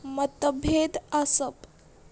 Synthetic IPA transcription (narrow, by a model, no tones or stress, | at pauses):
mət̪əbʱed̪asəp